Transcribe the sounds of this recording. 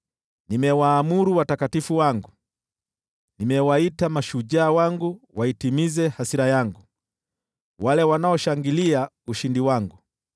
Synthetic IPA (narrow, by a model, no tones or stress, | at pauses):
nimɛwaːmuɾuwatakatifuwaŋɡu | nimɛwaitamaʃuʄaːwaŋɡuwaitimizɛhasiɾajaŋɡu | walɛwanaɔʃaŋɡilia | uʃindiwaŋɡu